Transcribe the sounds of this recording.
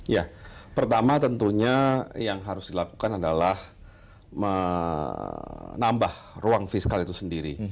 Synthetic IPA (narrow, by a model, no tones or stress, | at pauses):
japərt̪amat̪ənt̪uɲajaŋɦaɾʊsdilaku̥kanadalah | mə | nambahruaŋfiskalit̪usəndiɾḭ